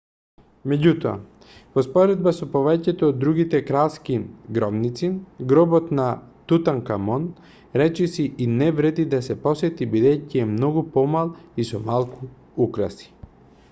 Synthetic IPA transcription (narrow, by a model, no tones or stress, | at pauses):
mɛɟut̪oa̰ | pɔspɔɾɛd̪̚basɔpɔvɛcɛt̪oːd̪ːɾuɡit̪ɛkɾaskiɡɾɔbnit̪sinɡɾɔbɔt̪nat̪ut̪aŋkamɔn | ɾɛt͡ʃɛsiʔinɛvɾɛd̪id̪asɛpɔsɛt̪ibid̪ɛjciɛmnɔɡupɔmalˠisɔmalˠkʰu | ukɾasi̥